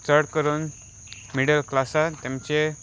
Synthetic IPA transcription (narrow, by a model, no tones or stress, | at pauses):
t͡səɽkəɾuːn | miɽəlklasat̪jãmt͡ɕe